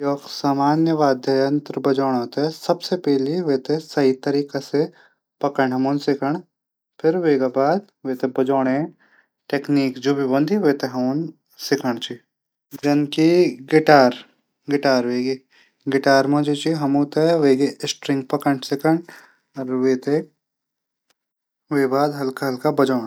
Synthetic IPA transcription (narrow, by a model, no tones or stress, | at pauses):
jɔːksaːmaːnjəʋaːd̪ʱɐɐnt̪ɾbɐd͡ʒoːɽ̃ɦot̪eɛsɐbsepɛːliʋeːt̪esɐɦit̪ɐɾiːkase | pɐkəɳɖɦɐmoːnsɪkʰəɳ̃ | pʰɪɾʋeːɡabaːd̪ | ʋeːt̪ebɐd͡ʒoːɽ̃ẽ | ʈeːkniːkd͡ʒoːbʱibɐ̃nd̪ʱiʋeːt̪eɦɐmoːn | sɪkʰəɽ̃t͡ʃi | d͡ʒɐnkiɡɪʈaːɾ | ɡɪʈaːɾʋeːɡi | ɡɪʈaːɾmɐ̃d͡ʒet͡ʃiɦɐmõːt̪eʋeːɡiɪsʈɾɪ̃ŋɡ̚pɐkəɳsɪkəɳ | ɐɾʋeːt̪e | ʋeːbaːd̪ɦɐlkaɦɐlkabɐd͡ʒoːɽa